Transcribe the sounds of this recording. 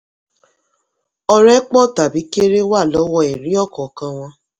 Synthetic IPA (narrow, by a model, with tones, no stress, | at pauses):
ɔ˧ɾɛ˦k͡pɔ˦˨ta˨bi˨˦ke˦ɾe˦wa˦˨lɔ˨˦wɔ˧e˨ɾi˨˦ɔ˦˨kɔ˨kã˧w̃ɔ̃˧